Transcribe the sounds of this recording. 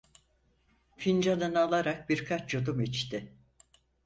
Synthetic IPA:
find͡ʒanɯnalˠaɾak̚biɾkʰat͡ʃt͡ʃod̪umit͡ʃt̪ʰɪ

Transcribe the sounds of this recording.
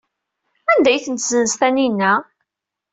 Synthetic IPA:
ænd̪æjθənt̪zənst̪æninːæ

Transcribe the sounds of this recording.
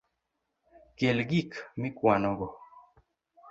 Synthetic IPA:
kelɡikmɪkwanɔɡɔ

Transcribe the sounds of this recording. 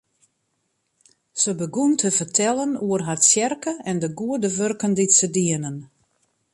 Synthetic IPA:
səbəɡuntʰəfərtʰɛlˠənuərɦatsjɛrkəɛndəɡuədəʋørkənditsədiənən

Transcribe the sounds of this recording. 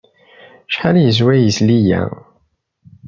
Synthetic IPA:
ʃħaljəzwæjəslijæ̰

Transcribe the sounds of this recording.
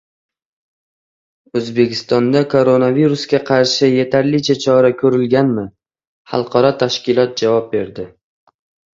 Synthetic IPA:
ɵzbe̞kʲɪ̥st̪ɒnd̪akʰoɾo̞naviɾuskʲaqʰɑɾʃɪje̞t̪ʰaɾlɪt͡ʃʰat͡ʃʰɒɾakʲʰɵɾɪlɡʲanmɪ | χɑ̰lˠqʰɑɾɒt̪ʰaʃkʲɪlˠɒt̪̚d͡ʒavɒp̚be̞ɾd̪ɪ

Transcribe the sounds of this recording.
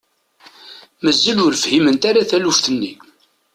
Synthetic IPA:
məzːəlʊɾfhimənt̪aɾaθælufθənːi

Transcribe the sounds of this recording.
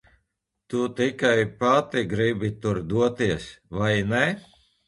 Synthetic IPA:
t̪ut̪ikajpat̪iɡɾibit̪uɾd̪uɔt̪iɛsvajnɛ

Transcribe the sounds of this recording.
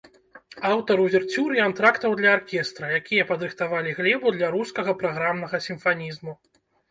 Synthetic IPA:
awt̪ɐɾuvʲɛrt͡sʲuɾɨant̪ɾakt̪ɐwd̪lʲɐarkʲɛst̪ɾɐjakʲijɐpɐd̪ɾɨxt̪avalʲiɣlʲɛbud̪lʲaɾuskɐɣɐpɾaɣɾamnɐɣɐsʲimfanʲizmu

